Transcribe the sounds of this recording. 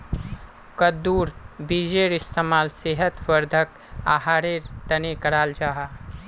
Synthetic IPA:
kəd̪uːɾbid͡ʒeɾɪst̪ʰemaːlseɦət̪wəɾd̪ʱək | a̰ɦaːɾeɾt̪ənekəɾaːld͡ʒaːɦa

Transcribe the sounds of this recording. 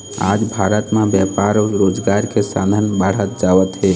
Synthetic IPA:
a̰d͡ʒbʱaɾət̪mãbjɛpaɾɾod͡ʒɡaɾkʰesã̰d̪ʱənbaɽ̤ət̪̚d͡ʒaʋət̪ɦe

